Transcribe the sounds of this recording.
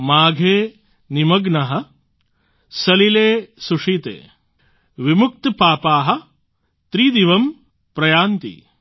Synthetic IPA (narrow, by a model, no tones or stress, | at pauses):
maːɡʱeː | nimɐɡnɐɦɐ̆ | sɐlileːsuʂiːt̪ḛː | ʋimuk̚t̪paːpaːɦɐ̆ | t̪ɾiːd̪iʋɐm | pɾɐjaːnt̪ḭ